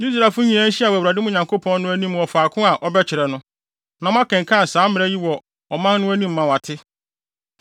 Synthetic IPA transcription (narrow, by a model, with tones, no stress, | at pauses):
ji˦s̬ɾa˨fʊ˦ɲĩ˨æ̃˦n̩˦ɕi˦a˨wæ˨wɾa˨dɪ˦mʊ̃˦˨ɲã˨ŋkʰo˦pʰɔ̃˦n˦nʊ̃˦æ˦nĩ˦m˨ɔ˨faː˨kʰʊ̃˦a˨ʔɔ˦bɛ˦t͡ɕʰɪ˨ɾɛ˨nʊ̃˦ | nã˨˦ã˦kɛ̃˨ŋ˨kʰã˦˨sãː˨˦mɪ̃˨ɛ˦ji˦wɔ˨ | ɔ˨mã˦nː˦ʊ̃˦æ˦nĩ˦mː˨ã˨wa˨tʰɪ˦